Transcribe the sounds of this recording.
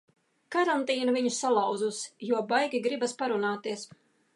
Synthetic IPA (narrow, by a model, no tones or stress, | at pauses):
kaɾant̪iːnuviɲusalˠɑwd̪zusjuɔbajɡʲiɡɾibaspaɾunaːt̪iɛs